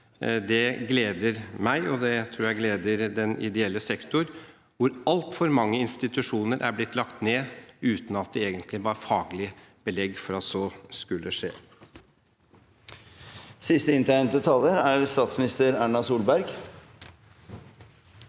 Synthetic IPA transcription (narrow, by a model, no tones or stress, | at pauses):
d̪ɛɡleːd̪əɾmæɪʔɔd̪ɛt̪ʰɾuːɾjæɪɡleːd̪əɾd̪ɛnɪ̰d̪ɛɛlːəsɛkt̪ʊɾ | ʋʊɾɑlt̪fɔɾmɑŋːəɪnst̪ɪt̪ʉʂuːnəɾʔæ̰ɾblɪt̪ʰːlɑkt̪neːʉːt̪n̩ɑt̪̚d̪ɛeːɡənt̪ʰlɪʋɑɾfɑːɡlɪə | b̥əlɛɡːfɔɾɑt̪sɔskʉlːʔəʂḛː | sɪst̪əɪnt̪æɪnt̪d̪ɛt̪ʰɑlːəɾæɾst̪ɑːt̪smɪnɪst̪əɾæːɳɑsuːlbæɾɡ